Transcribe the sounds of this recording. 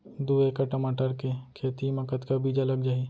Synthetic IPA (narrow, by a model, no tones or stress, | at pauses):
d̪uːekaʈəmaːʈəɾkekʰeːt̪imɐkət̪kabiːd͡ʒɐləɡ̚d͡ʒaːi